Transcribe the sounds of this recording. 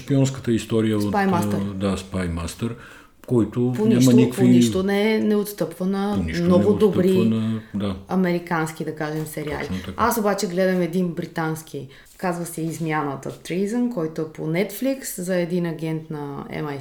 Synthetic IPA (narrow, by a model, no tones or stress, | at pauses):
ʃpiɔnskət̪əist̪ɔɾijəopajmasɛd̪aspajmast̪əɾ | kɔjt̪oponaʃmɐnikkpviiʃt̪onɛnɛot̪st̪ɤpvənɐnimnnɔɡod̪ot̪bɾinɐd̪aɐmɛɾikansk̟id̪ɐkaʒɛmsɛɾia̰liasobat͡ʃɛɡlɛd̪ɐmɛd̪inbɾit̪ansk̟ʰi | kazvɐsɛizmjanət̪ə̰t̪ɾijzənkɔjt̪oɛponɛt̪flikszɐɛd̪inɐɡʲɛnt̪nɐɛ̰ma